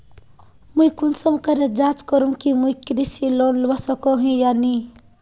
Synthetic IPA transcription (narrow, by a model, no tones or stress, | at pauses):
mujkunsʌmkʌɾed͡zat͡skʌɾumkimujkɾisilonlʌsʌkoɦĩjani